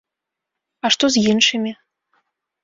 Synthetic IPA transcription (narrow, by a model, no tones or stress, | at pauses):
aʂt̪ɔzʲjinʂɨmʲi